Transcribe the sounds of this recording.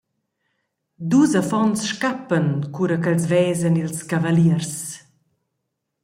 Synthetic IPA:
d̪uzəfɔnsʃkapːənkuɾəkəlzvɛːzənilskavaliərs

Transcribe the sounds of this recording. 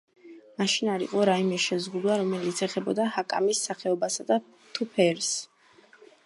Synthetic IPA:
maʃinaɾḭqʼɔɾaimɛʃɛzʁud̪waɾɔmɛlit̪sʰɛχɛbɔd̪ahakʼa̰misːaχɛɔbasad̪a | t̪ʰupʰɛɾs

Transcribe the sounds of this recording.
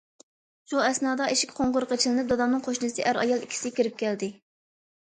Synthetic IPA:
ʃuɛsnɑːd̪ɑʔiʃi̥kʲqʰoɴʁʊɾqʰət͡ʃʰilɪnɨp̚d̪ɑd̪ɑmnɨŋqʰoʃnɨsɨʔæɾɑ̰jɑlˠikʲʰi̥sɪkʲiɾɪp̚kʲɛld̪ɪ

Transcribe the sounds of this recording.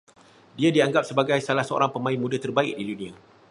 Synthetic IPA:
diadiaŋɡap̚səbaɡajsalahsəo̰ɾaŋpəmãɪnmũdat̪ərbaɪ̰k̚dilunĩa

